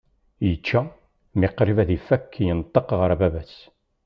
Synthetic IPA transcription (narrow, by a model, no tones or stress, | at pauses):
jət͡ʃːa | mɪqɾivæðifækːjənt̪ˤːəqʁəɾæbævæs